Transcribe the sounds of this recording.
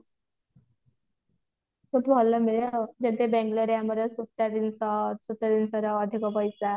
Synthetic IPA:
kʰut̪bʱɔlːəmiɭed͡ʑɛt̪ebɛ̃ŋɡləɾjaməɾəsut̪ːjad̪insɔsut̪ːjad̪insɔɾɔːd̪ʱikɔpəjsa

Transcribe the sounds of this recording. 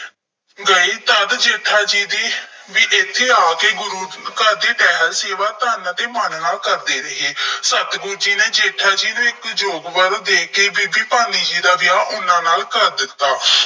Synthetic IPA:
ɡəiːt̪əd̪d͡ʒeːʈʰːaːd͡ʒiːd̪eːʋiːʔɪt̪ʰːeːaːkeːɡʊɾuːkəɾd̪eːʈɛːɦəɾseːʋaːt̪aːnãːt̪eːmənnaːlkəɾd̪eːɾɪɦeːsət̪ɡʊɾd͡ʒiːnẽːd͡ʒeːʈʰaːd͡ʒiːnũːɪkd͡ʒoːɡʋəɾd̪eːkeːbiːbiːpaːniːd͡ʒiːd̪aːʋɪjaːʔʊnãːnaːlkəɾd̪ɪt̪ːaː

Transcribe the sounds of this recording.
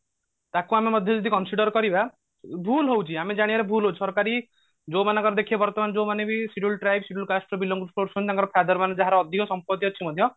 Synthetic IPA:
t̪akuamemɔd̪ʱjɔd͡ʒɔd̪ikɔnsiɖɔɾkɔɾiba | bʱulɦowt͡ʃʰiamed͡ʒaɽ̃iaɾebʱulɦot͡ʃʰsɔɾkaɾi | d͡ʒomanãŋkɔɾɔd̪ekʰiabɔɾt̪ɔmanɔd͡ʒowmanebisiʈulʈɾajbsiʈulkasʈɾɔbilːɔŋɡɾupʰoʈsʰunt̪aŋkɔɾɔpʰad̪ɔɾmaned͡ʒaɦaɾɔːd̪ʱikɔsɔmpɔt̪iɔt͡ʃʰimɔd̪ʱjɔ

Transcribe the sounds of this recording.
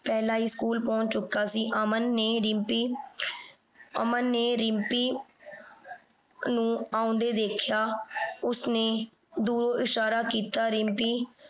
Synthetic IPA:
pɛːlaːɦiːskuːlpɔ̃ːt͡ʃt͡ʃʊkːaːsiːʔəmənːeːɾɪmpiː | əmənːeːɾɪmpiː | nũːaːʊ̃nd̪eːd̪eːkʰjaːʊsneː | d̪uːɾoːʔɪʃaːɾaːkiːt̪aːɾɪmpiː

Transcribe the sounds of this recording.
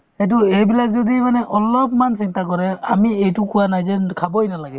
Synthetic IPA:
hɛt̬uejbilak̚zɔdimanɛʔɔlɔpmansintakɔɹɛamiejtʊkʊwanajzɛnkʰabɔjnalaɡɛ

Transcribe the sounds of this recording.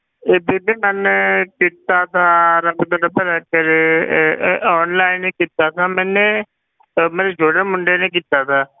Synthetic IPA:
ebebimɛnkit̪at̪ʰaːɾɐbd̪əɾəpʰəɾɛːkəɾ | ɔːnlaːɪnekit̪aːt̪ʰaːmɛ̃ne | meɾed͡ʒʱoːɽemʊɳɖenek̬it̪aːt̪ʰaː

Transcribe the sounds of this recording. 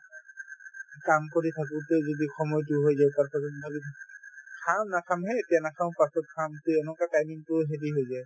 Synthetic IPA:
kamkoɹitʰak̬utɛzodixʰɔmɔjtuɦojzajtaɹpʰasɔtbalitʰakkʰamnakʰamɦɛetijanakʰaʊ̃pasɔt̚kʰamtuɛnɔkatajmiŋtʊɦeɹiɦojzaj

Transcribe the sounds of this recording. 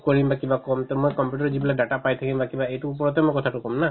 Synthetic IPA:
koɹimbakibakɔmt̪ɔmojkɔmpjuʈɔɾd͡ʒibilajɖaʈapajt̪ʰakimbakibaejʈuupɔɾɔt̪̬emkɔt̪ʰaʈukɔmna

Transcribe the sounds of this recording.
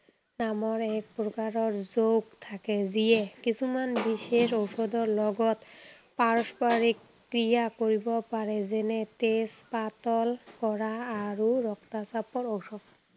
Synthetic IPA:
namɔɾɛk̚pɾokaɾɔɾzoɡt̪ʰaked͡ʑijekit͡ɕʰumanbiʃeʃowʃɔd̪ɔɾlɔɡɔt̪ | paɾospaɾikːɾijakoɾibɔpaɾezenet̪espat̪ɔlkɔɾaːɾuɾɔkt̪asapɔɾowʃɔd̪

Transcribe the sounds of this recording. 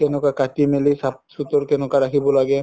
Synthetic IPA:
kɛnɔkakatimelisap̚sut̪ɔɹkɛnɔkaɹakʰibɔlaɡɛ

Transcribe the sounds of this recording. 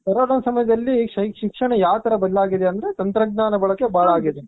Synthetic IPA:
kɐɾoːɽɐnɐsɐmɐjɐd̪ɐlːiʃɐʃikʂɐɳɐjaːʋɐt̪ɐɾɐbɐd̪ɐlaːɡid̪eɐnd̪ɐɾet̪ɐnt̪ɾɐɡ̚naːnɐbɐɭɐkːebʱaːɭaːɡid̪e

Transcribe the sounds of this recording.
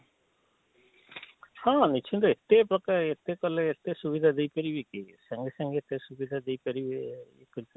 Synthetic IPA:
hãnit͡ʃʰĩnd̪ɔet̪ːepɾɔkaɾet̪ːekɔleːt̪ːesubid̪ʱad̪ejpɐɾibikisɐŋɡesɐŋɡeet̪esubid̪ʱad̪ejpɐɾibek

